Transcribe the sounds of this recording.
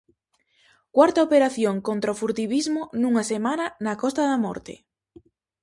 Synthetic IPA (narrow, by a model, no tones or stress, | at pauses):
kwaɾt̪aopeɾaθjoŋkont̪ɾaofuɾt̪iβizmʊnuŋɐsemanɐnɐkɔst̪ɐðamɔ̰ɾt̪ḛ